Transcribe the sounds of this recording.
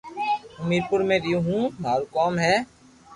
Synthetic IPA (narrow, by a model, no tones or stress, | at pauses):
əmiːɾpʊɾmẽːɾjũːɦũːmaːɾukɔːmɦɛː